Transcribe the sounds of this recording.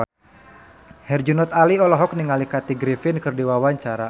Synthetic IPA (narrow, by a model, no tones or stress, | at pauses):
hɛrd͡ʒunɔt̪aliɔlɔɦɔk̚niŋalikat̪iɡɾifɪnkɨrdiwawaɲt͡ʃaɾa